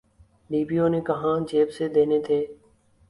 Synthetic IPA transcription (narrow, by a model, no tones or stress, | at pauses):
ɖiːbiːoːnẽːkəɦãːd͡ʒeːbseːd̪eːneːt̪ʰeː